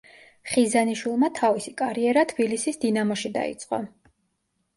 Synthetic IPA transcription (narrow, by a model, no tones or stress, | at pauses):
χizaniʃwilˠmat̪ʰavisikʼaɾiɛɾat̪ʰb̥ilisisd̪inamɔʃid̪a̰ḭt̪sʼqʼɔ̰